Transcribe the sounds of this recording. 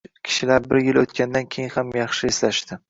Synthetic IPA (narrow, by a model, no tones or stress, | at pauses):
kʲʰɪ̥ʃɪlaɾbɪɾjɪlot̪kʲand̪ankʲʰe̞jɪnhamjɑχʃɪeslaʃt̪ɪ